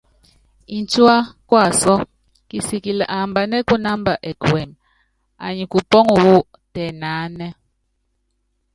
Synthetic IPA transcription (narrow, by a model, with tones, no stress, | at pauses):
i˨n˦t͡ʃwa˦kwa˦˨sɔ˦ | ki˨si˨ki˨la˨ʔa˨mba˨nɛ˦ku˦na˦mba˨ʔɛ˨kwɛ˨m | a̰˨ɲi˨ku˨pɔ˦ŋu˨wu˦ | tɛ˨na˨˦nɛ˦